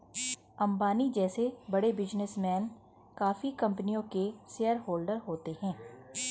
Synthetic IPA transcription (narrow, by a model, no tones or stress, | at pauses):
ɐ̃mbaːnid͡ʒɛːsebɐɽebɪd͡ʒnɪsmɛːn | kaːfikɐ̃mpənijõkeseːəɾɦoːlɖəɾɦoːt̪eɦɛ̃ː